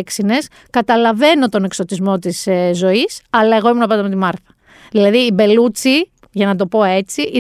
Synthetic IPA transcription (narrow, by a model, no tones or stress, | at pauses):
ksine̞s | kɐt̪ɐlɐve̞no̞t̪o̞ne̞kso̞t̪izmo̞t̪iszo̞isɐlɐeɣo̞imunɐpɐnɐmet̪imɐɾθɐ̥ | ðilɐðiːbe̞lut͡si | ʝɐnɐt̪̬o̞po̞e̞t͡siʔi